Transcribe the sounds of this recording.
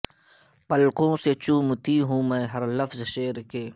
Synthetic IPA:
pɐlqõːset͡ʃuːmt̪iːɦũːmɛ̃ːɦɐɾlɐfzʃeːɾkeː

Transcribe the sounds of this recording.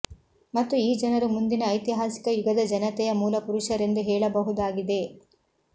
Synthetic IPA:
mɐt̪ːuiːd͡ʒɐnɐɾumund̪inɐːjt̪iɦaːsi̥kɐjuɡɐd̪ɐd͡ʒɐnɐt̪ɛjɐmuːlɐpuɾuʃɐɾe̞nd̪uɦɛːɭɐbɐɦud̪aːɡid̪e̞

